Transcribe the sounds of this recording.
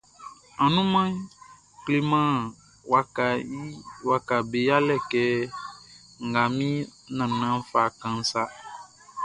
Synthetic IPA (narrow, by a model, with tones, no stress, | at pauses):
ã˨nũ˦mã˦ | kle˨mã˦ | wa˨ka˨i˦wa˨ka˨be˨ja˦lɛ˦˨kɛ˦ | ŋ̩˨ɡa˨mĩ˦nã˨nã˦fa˨kã˨n̩˦sa˦